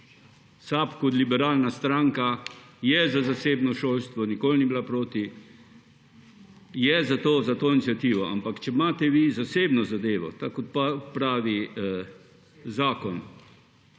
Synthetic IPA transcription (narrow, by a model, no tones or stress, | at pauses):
saːpkot̪libɛɾaːlnast̪ɾaŋkajɛzazaseːbnɔʃoːlst̪ʋɔnikoːlniblapɾoːt̪i | jɛzat̪oːzat̪oːinit̪sʲjat̪iːʋɔa̰mpakt͡ʃɛmaːt̪ɛʋizaseːbnɔzad̪eːʋɔ̰t̪akɔt̪̚papɾaːʋi | zaːkɔn